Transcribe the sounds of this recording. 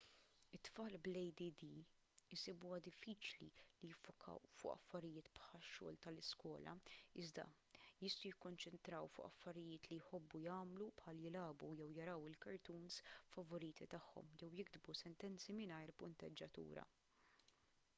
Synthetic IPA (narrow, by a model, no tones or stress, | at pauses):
ɪt̪ːfɐːlblɛjd̪id̪i | ɪsibuwɐd̪ɪfːiːt͡ʃlḭlijɪfːʊkʰɐ̰wfʊ̰ʔɐ̰fːɐɾɪjɪːt̪pħɐʃːɔ̰ːlt̪ɐlɪskwɔːlɐ̰ɪzd̪ɐ̰ | jɪst̪ujɪkːɔnt͡ʃɛnt̪ɾɐwfʊ̰ʔɐ̰fːɐɾɪjɪːt̪lijħɔbːujɐːmlupħɐljɪlɐːbujɛwjɐɾɐwɪlkɐɾt̪uːnsfɐvɔɾiːt̪ʰit̪ɐħːɔ̰mjɛwjɪɡd̪busɛnt̪ɛnt͡simɪnɐjɾpʊnt̪ɛd͡ʒːɐt̪ṵːɾɐ̰